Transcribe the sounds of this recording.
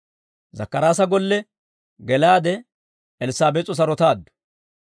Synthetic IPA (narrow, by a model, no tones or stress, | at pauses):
zɐ̰kːɐɾaːs̬ɐɡɔlːɛ | ɡɛlaːd̪ɛ | ɛlɪsaːbɛt͡sʼːɔs̬ɐɾɔt̪aːd̪ːʊ̥